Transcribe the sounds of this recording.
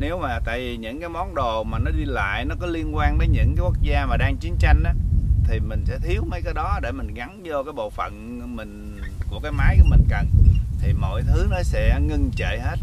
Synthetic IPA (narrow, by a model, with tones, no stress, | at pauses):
ne˨˦wmaː˨˩t̪a̰ː˧˨jvi˨˩ɲɨ̰˧˥ŋkaː˨˦jmɔ˨˦nɗo˨˩maː˨˩nɔ˨˦ɗi˧la̰ː˧˨jnɔ˨˦kɔ˨˦li˧ənkwaː˧nt̪əː˨˦jɲɨ̰˧˥ŋkaː˨˦jku˦˥ə˥k̚zaː˧maː˨˩ɗaː˧ŋt͡ɕi˨˦ənt͡ɕa˧jŋ̟ʔaː˨˦t̪ʰi˨˩mï˨˩ŋ̟sɛ̰˧˥t̪ʰi˨˦əwmə˨˦jkaː˨˦jɗɔ˨˦ɗe˧˩mï˨˩ŋ̟ɣa˨˦nzɔ˧kaː˨˦jɓo̰˧˨fə̰˧˨n | mï˨˩ŋ̟ | ku˧˩əkaː˨˦jmaː˨˦jku˧˩mï˨˩ŋ̟kə˨˩nt̪ʰi˨˩mo̰˧˨jt̪ʰɨ˨˦nɔ˨˦sɛ̰˧˥ŋɨ˧ŋt͡ɕə̰˧˨he˦˥t̚